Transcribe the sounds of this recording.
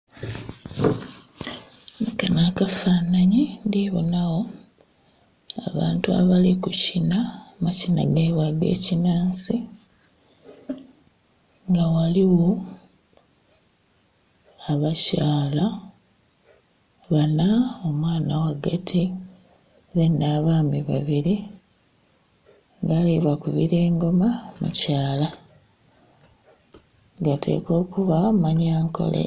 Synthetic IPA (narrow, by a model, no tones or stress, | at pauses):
nikanakafaːnaɲindiβo̰nawo̞ | a̰βa̰ːntua̰βalikucinamacina̰ɡeːβwaɡe̞̰ːcinaːnsi | ŋɡawaliwo̞ | aβacaːla | βanaomwaːnawaɡatʰi | ðenːaːβaːmiβa̰βiɾi | ŋɡaliβakuβḭɾeːŋɡo̞mamṵcaːla | ɡatʰe̞̰ːko̞ːkuβamaɲaːŋko̞̰lḛ